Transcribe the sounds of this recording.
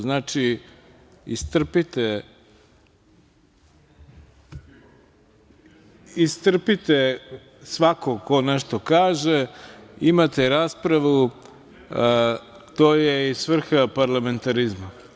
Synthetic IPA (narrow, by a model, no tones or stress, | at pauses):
znaːt͡ʃi | ist̪r̩pit̪e | ist̪r̩pit̪e | sʋakoko̞nɛʃt̪okaːʒeimat̪eɾaːspɾaʋu | t̪oːjeisʋr̩xapaɾlˠame̞nt̪aɾizma